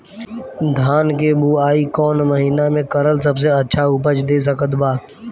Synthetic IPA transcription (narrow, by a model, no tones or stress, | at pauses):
d̪ʱaːnkebuːaːiːkɔːnməɦiːnamẽkəɾəlsəbs̬eətːʃʰaʊpət͡ʃd̪eːs̬əkət̪baː